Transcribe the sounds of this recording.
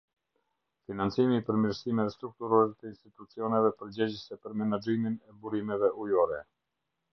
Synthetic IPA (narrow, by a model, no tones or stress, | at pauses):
finant͡simipəɾmiɾsimɛvɛst̪ɾuk̚t̪uɾɔɾɛt̪əinst̪it̪ut͡siɔnɛvɛpəɾd͡ʑɛd͡ʑəsɛpəɾmɛnad͡ʒiminɛbuɾimɛvɛʔujɔɾɛ